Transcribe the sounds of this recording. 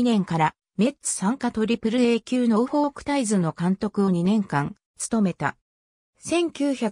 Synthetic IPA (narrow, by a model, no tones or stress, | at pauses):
inẽ̞ŋkaɾa | me̞t͡sɨ̥sãŋkat̪o̞ɾʲipɯ̟ɾɯ̟e̞ːkʲɨːnoɯɸo̞ːkɯ̟̥t̪aizɨno̞kãnt̪o̞kɯ̟o̞ɲ̟inẽ̞ŋkãn | t͡sɨ̥t̪o̞me̞t̪a̰ | sẽ̞ŋkʲɨːça